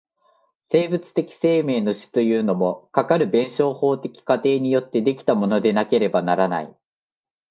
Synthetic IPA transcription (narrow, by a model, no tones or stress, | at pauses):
se̞ːbɯ̟t͡sɨ̥t̪e̞kʲi̥se̞ːme̞ːno̞ɕi̥t̪o̞jɯ̟ːno̞mo̞kakaɾɯ̟bẽ̞ɰ̃ɕo̞ːho̞ːt̪e̞kʲi̥kat̪e̞ːɲ̟ijo̞t̪ːe̞d̪e̞kʲi̥t̪amo̞no̞d̪e̞nake̞ɾe̞banaɾana̰ḭ